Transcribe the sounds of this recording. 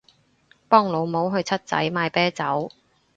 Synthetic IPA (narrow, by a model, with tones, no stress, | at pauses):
pɔː˥ŋlo˨˧wmo˨˥wɦɵ˧ɥt͡sʰɐ˥t̚t͡sɐ̰˨˥jmaː˧jpɛː˥t͡sɐ˨˥w